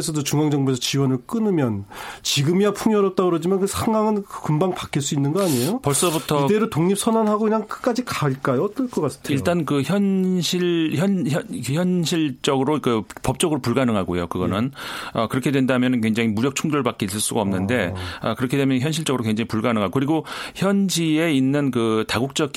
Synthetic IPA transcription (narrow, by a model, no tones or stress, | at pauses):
esʰʌdot͡ɕuŋaŋd͡ʑʌŋbuesʰʌt͡ɕiwʌnɯɭk͈ɯnɯmjʌnt͡ɕiɡɯmjapʰuŋjʌɾʌt̚t͈aɡɯɾod͡ʑimaʌnkɯsʰaŋɡaŋɯnkɯmbaŋpakʰiɭs͈uinːɯnɡʌaɲejopʌɭs͈ʌbutʰʌideɾotoŋɲip̚sʰʌnanɦaɡoiɲaŋkɯ̥k͈ad͡ʑikaɯɭk͈ajoʌt͈ʌɭk͈ʌk͈as͈ʰɯ̥tʰeiɭt͈ankɯçjʌnɕʰiɭçjʌnçʌçjʌnɕʰiɭt͡ɕ͈ʌɡɯɾokɯpʌp̚t͡ɕ͈ʌɡɯɾopuɭɡanɯŋɦaɡojokɯɡʌnɯnʌkɯɾʌkʰe̞dwe̞ndamjʌnɯnkweŋd͡ʑaŋimuɾjʌk̚t͡ɕʰuŋdoɭbak͈eis͈ɯɭs͈uɡaʌmnɯnde̞ʌ̰kɯɾʌkʰe̞dwemjʌnçjʌnɕ̬ʰiɭt͡ɕ͈ʌɡɯɾokweŋd͡ʑaŋipuɭɡanɯŋɦaɡokɯɾiɡoçjʌnd͡ʑie̞inːɯnkɯtaɡuk̚t͡ɕ͈ʌ